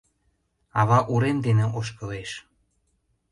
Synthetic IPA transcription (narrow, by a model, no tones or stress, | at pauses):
ɑβɑʔuɾemd̪eneoʃ̬kɤ̆leʃ